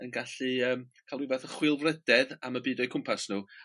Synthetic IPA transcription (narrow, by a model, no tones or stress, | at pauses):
ənɡaɬɨəːmkʰalwivɛθəχwɪlˠvrɛdɛðaməbiːdɔjkʰʊmpʰasnuː